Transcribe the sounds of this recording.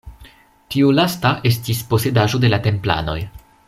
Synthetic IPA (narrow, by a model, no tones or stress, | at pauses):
tiulastaʔe̞s̬tispo̞se̞daʒo̞de̞late̞mpla̰no̞̰j